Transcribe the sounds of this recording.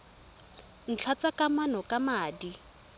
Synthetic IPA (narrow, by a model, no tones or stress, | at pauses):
n̩t͡ɬʰat͡sakʼamanɔkʼamaːdi